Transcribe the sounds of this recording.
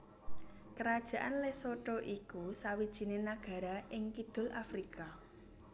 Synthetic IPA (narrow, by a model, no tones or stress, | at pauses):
kəɾad̥ʒ̥ä̤ʔanlesoʈɔʔikusawid̥ʒ̥i̤nenaɡ̥a̤ɾaʔɪŋkid̪̥ʊ̤lafɾikʰa